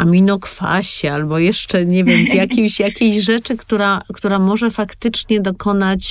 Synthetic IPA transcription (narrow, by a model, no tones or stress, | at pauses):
amʲinɔkfa̰ɕɛalbɔjɛʂt͡ʂɛɲɛvʲjɛmvjakʲimɕjakʲeɕʐɛt͡ʂɘkt̪uɾakt̪uɾamɔʐɛfakt̪ɘt͡ʂɲɛd̪ɔkɔn̪at͡ɕ